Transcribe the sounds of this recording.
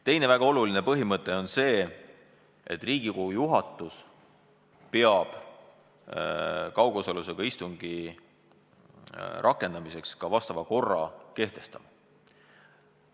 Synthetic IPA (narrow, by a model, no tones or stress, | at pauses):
t̪e̞jne̞væɡ̥ɑo̞luline̞pɤɦimɤt̪ˑːe̞o̞nse̞ː | ʔe̞̰t̪ːˑriːɡ̥ikoujuɦɑt̪ˑːus | peɑb̥ | kɑwɡosoluseɡ̥ɑist̪uŋɡ̥i | ɾʔɑkːˑe̞nd̪ɑmise̞kskɑvɑst̪ɑvɑko̞rːɑke̞ht̪e̞st̪ɑmɑ